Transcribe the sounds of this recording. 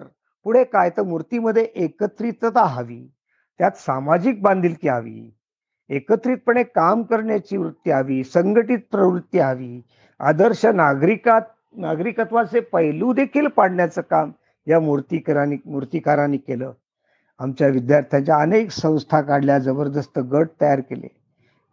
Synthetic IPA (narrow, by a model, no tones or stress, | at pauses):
ɾ | puɽ̤ekajt̪əɾmuɾt̪iːməd̪ʱːjeʔekət̪ɾiːt̪ət̪aɦaʋḭː | t̪jat̪samad͡ʑik̚bãnd̪ʱiːlk̪iaʋḭː | ekət̪ɾiːt̪̚pəɳekamkəɾɳjat͡ɕiːʋɾut̪ːjiaʋiːsəŋɡəʈiːt̪̚pɾəʋɾut̪ːjiɦaʋiː | a̰d̪əɾɕənaɡɾikat̪̚ | naɡɾikət̪ʋasepəɦjlũd̪ekʰiːlpaɽ̤ɳjat͡səːkam | ɦjamuɾt̪ikəɾanimuɾt̪ikaɾaniːkeləː | amt͡ɕjaʋid̪jaɾt̪ʰjãɲt͡ɕjaəneksə̃w̃st̪ʰakaɽljad͡zəbəɾd̪əst̪əɡəʈ̚t̪əjaɾkelḛ